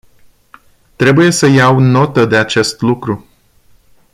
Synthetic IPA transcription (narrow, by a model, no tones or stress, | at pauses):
t̪ɾe̞buje̞səjawno̞t̪əd̪e̞at͡ʃe̞st̪lukɾu